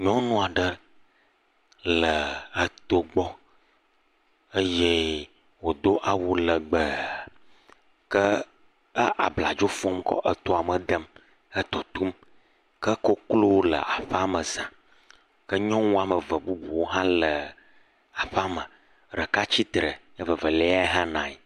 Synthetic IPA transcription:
ɲɔ̃˦nũ˦a˨ɖə˦ | lə˨ə˦t̪o˦ɡ͡bɔ˦ | ə˦je˦ | wo˨d̪o˦ʔa˨wu˦lə˨ɡ͡bə˨ | kə˦ | ə˦ʔa̰˨bla˨d͡ʒo˦fɔ˦mkɔ̰˦ʔə˨t̪o˦a˨mə˨d̪ə˦m | ə˦t̪o˨t̪u˦m | kə˦ko˦klo˦wo˦lə̰˨ʔa˨ɸə˦a˦mə˨zã˨ | kə˦ɲɔ̃˦ŋũ˦a˨mə˨və˨bu˦bu˨wo˦ɦã˦lə˨ | a˨ɸa˦mə˨ | ɖə˨ka˦t͡ɕi˦t̪ɾə˨ɲə˦və˨və˨le˦a˦ɦã˦nã˨ji˨

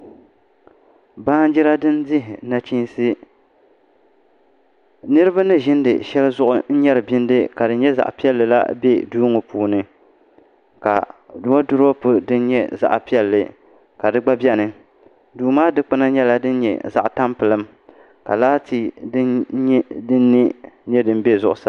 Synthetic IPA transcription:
baː˦n˦d͡ʒi˦ɾa˦dɨ˦n˦dɪ˦ɦɪ˨na˨t͡ʃi˦n˦sɨ˦ | nɨ˦ɾɨ˦βa˦nɨ˦ʒɪ˦ndɨ̰˨ʃɛ˦lɨ˦zʊ˦ʔʊ˨n̩˦ɲɛ˦ɾɨ˨bi˦ndɨ˦ka˨dɨ˨ɲɛ˦za̰˨ʔpi˦ɛ˦lːɨ˨la̰˦bɛ˦duː˦ŋo˨puː˨nɨ˦ | ka̰˨du˦wa˦dʊ˦ɾo˦pʊ˦dɨ˦n˦ɲɛ˦za̰˨ʔpi˦ɛ˦lːɨ˨ | ka˨dɨ˦ɡ͡ba˦bjɛ˦nɨ˨ | duː˨maː˦dɨ˦k͡pɨ˦na˦ɲɛ˦la˦dɨ˦n˦ɲɛ̰˨za̰˨ʔta˦mpɨ˨lɨ˦m | ka̰˨laː˦ti˦ | dɨ˦nː˦ɛ˦ɲɛ˦dɨ˦m˦bɛ˦zʊ˦˨ʔʊ˨sa˦

